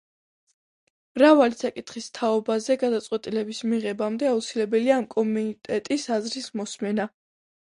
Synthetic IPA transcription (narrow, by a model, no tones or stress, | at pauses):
mɾavalisakʼit̪ʰχist̪ʰaɔbazɛɡad̪at̪sʼqʼwɛt̪ʼilɛbismiʁɛbamd̪ɛaut̪sʰilɛbɛliaːmkʼɔmit̪ʼɛt̪ʼisazɾismɔsmɛna